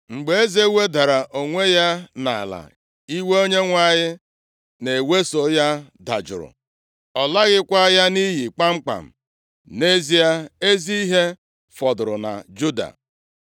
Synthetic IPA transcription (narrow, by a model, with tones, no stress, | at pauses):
ŋ͡m̩˨ɡ͡be˨e˦ze˦we˦da˨ɾa˨ʔo˨ŋʷe˦ja˦na˨a˨la̰˨ | i˦we˦o˦ɲe˦ŋʷa˨ɲɪ˦ | ne˨we˦so˨˦ja˦da̰˨d͡ʒʊ̰˨ɾʊ̰˨ | ɔ˨la˦ɣɪ˦kʷa˦ja˦ni˦ɦi˨k͡pa˦ŋ͡m̩˦k͡pa̰˨m̩˨ | ne˦zi˦a˦e˦zi˦i˦ɦe˦ | fɔ˨dʊ˨ɾʊ˨na̰˨d͡ʒu˦da̰˨